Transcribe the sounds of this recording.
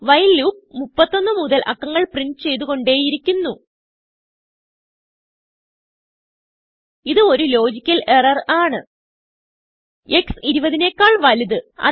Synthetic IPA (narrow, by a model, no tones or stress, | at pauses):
ʋɐjlːuːp̚mupːɐt̪ːo̞nːɨmuðɐlʔɐ̰kːɐŋːɐɭprinɖt͡ɕe̞jt̪uɣo̞ɳɖe̞ːjiɾikʲːunːu | iðɨo̞ɾulo̞ːd͡ʑikʲːɐle̞rɐraːɳɨ | eksiɾubɐðine̞ːkːaːɭʋɐliðɨɐ̰